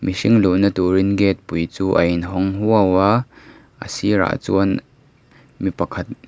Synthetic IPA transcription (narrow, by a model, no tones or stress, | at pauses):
misiŋluʔnɐt̪uɾinɡɛt̪̚pujt͡suːʔɐjinɦɔŋɦuəwaː | ʔə̰sira̰ːʔt͡suən | mipɐkʰɐt̪̚